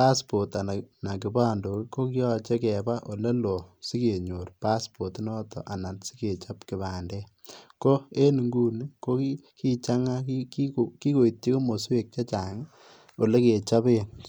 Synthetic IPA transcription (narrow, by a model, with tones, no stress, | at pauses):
pa˦spo˨ta˨na˨na˨kɪ˨˦ba˦ndo˨kko˦kjɔ˦t͡ʃe˦kɛ˨ba˦ʔo˨le˦lo˨si˦ke˨ɲo˨rpa˦spo˨ti˦nɔ˦tɔ̰˨ʔa˨na˨nsi̥˦ke˨t͡ʃa˦pkɪ˨βa˨ndɛ˦ | ko˦e˦ni˨ŋɡu˦ni˦ko˦ki | ki˦t͡ʃa˦ŋa˦kikioki˦ko˨i˨tje˦ko˦mo˨swe˨k̚t͡ʃa˦t͡ʃa˨ŋ | o˨le˦ke˨t͡ʃa˦be˦n